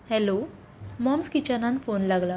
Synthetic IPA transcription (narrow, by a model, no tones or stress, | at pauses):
hɛlo | mɔmskit͡ɕanãnfonlaɡla